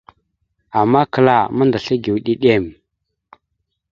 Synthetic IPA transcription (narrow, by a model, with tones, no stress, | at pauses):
a˨mːa˦kə˨la˨ma˦nda˨ɬə˦ɡi˨wɗi˦ɗe˦˨m